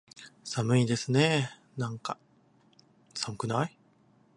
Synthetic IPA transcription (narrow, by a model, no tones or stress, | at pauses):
samɯ̟id̪e̞sɨne | nãŋka | samɯkɯ̟nai